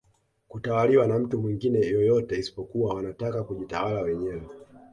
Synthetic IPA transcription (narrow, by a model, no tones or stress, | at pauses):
kutawaliwanam̩tumwiŋɡinɛjɔjɔtɛisi̥pɔkuwawanatakakuʄitawalawɛɲɛwɛ